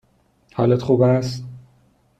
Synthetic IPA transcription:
hɒ̰ːlet̪χuːbæst̪

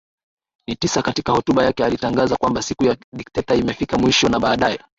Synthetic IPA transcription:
nitisakatikahɔtuɓajakɛalitaŋɡazakwambasikujaɗiktɛtaimɛfikamwiʃɔnaɓaːɗajɛ

